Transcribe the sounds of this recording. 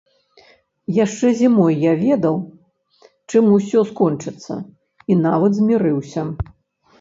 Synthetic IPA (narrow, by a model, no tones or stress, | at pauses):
jaʂt͡ʂɛzʲimɔjːavʲɛd̪ɐw | t͡ʂɨmusʲɔskɔnt͡ʂɨt̪sːɐ̰ | inavɐd̪zʲmʲiɾɨwsʲɐ